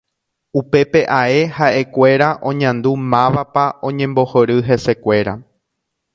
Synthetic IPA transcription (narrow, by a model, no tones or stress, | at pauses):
upe̞pe̞ʔae̞haʔe̞kʷe̞ɾaʔõ̞ɲãnd̪umãʋapaõ̞ɲẽ̞mbo̞hoɾɨɦe̞se̞kʷe̞ɾa̰